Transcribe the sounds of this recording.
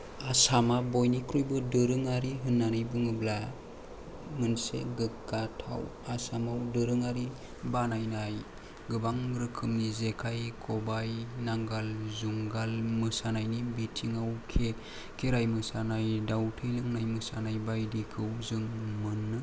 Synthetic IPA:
asamabojnikʰɾujbɯdɯɾɯŋaɾiɦɯnːanɯjbɯŋɯbla | ŋɯnsḛɡɯkɡatʰa̰w | asamawdɯɾɯŋaɾi | banajnaj | ɡɯbaŋɾɯkʰɯmnizekʰajkʰɔbajnaŋɡalzuŋɡalmɯsanajnibitʰiŋawkʰe | kʰeɾajmɯsanajdawtʰɯjlɯŋnajmɯsanajbajdikʰɯwzɯŋmɯnːɯ

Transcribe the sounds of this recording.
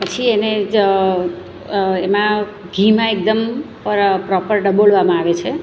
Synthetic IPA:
pət͡ʃʰiene | emã | ɡʱimãek̚d̪əmpəɾpɾɔpəɾɖəboɭʋamãaʋet͡ʃʰe

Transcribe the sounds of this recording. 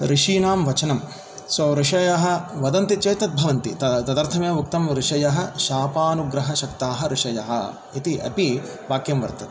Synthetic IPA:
ɾiʂiːnaːmʋɐt͡ʃɐnɐm | sʋɐɾiʂɐjɐɦɐ̆ʋɐd̪ɐnt̪it͡ʃeːt̪ɐt̪̚bʱɐʋɐnt̪it̪ɐt̪ɐd̪ɐɾt̪ʰɐmjɐɐuk̚t̪ɐmɾiʂɐjɐɦɐ̆ʃaːpaːnuɡɾɐɦɐʃɐkt̪aːɦɐɾiʂɐjɐɦɐ̰ | it̪iʔɐ̰pi | baːkjɐmʋɐɾt̪ɐt̪

